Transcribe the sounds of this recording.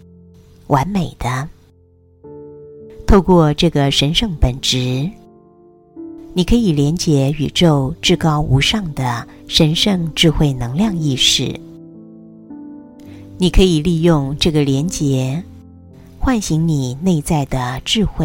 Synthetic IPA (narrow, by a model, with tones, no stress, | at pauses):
wʔa˧˥nme˨˩ɪd̪̥ə˦ | t̪ʰo˥˧ʊkwɔ˥˧ʈ͡ʂɤ˥˩ɡə˩ʂə˧˥nʂɤ˥˩ŋpə˨˩nʈ͡ʂɻ̩˧˥ | ni˨˩kʰɤ˧˥i˨˩ljɛ˧˥nt͡ɕjɛ˧˥y̰˨˩ʈ͡ʂo˥˧ʊʈ͡ʂɻ̩˥˩kɑ˥ʊʔu˧˥ʂɑ˥˩ŋd̪ə˩ʂə˧˥nʂɤ˥˧ŋʈ͡ʂɻ̩˥˧xwe˥˩ɪnɤ˧˥ŋljɑ˥˧ŋi˥˧ʂɻ̩˥˩ | ni˨˩kʰɤ˧˥i˨˩li˥˧jʊ˥˧ŋʈ͡ʂɤ˥˩ɡə˩ljɛ˧˥nt͡ɕjɛ˧˥ | xwa˥˩nɕi˧˥ŋni˨˩ne˥˧ɪt͡sa˥˩ɪd̪ə˩ʈ͡ʂɻ̩˥˧xwe˥˩ɪ